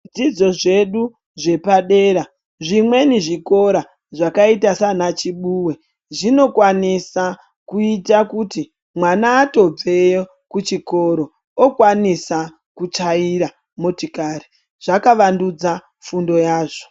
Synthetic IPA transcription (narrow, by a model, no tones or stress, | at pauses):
d͡zid͡zo̞ʐe̞ɗu | ʐe̞paɗe̞ːɾa | ʐimwe̞niʐiko̞ɾa | ʐakaitasanat͡ʃiɓuwe | ʐino̞kwanisa | kuitakuti | mwanaːto̞b͡vejo | kut͡ʃiko̞ɾo̞ | okwanisa | kut͡ʂaiɾa | motikari | ʐ̥akaʋandud͡za | fundo̞jaːʐo̥